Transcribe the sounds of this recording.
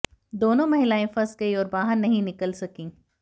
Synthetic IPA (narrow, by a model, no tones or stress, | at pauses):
d̪oːnõmɐɦɪlaːẽfɐsɡɐiɔːɾbaːɦəɾnɐɦĩnɪkəlsɐkĩː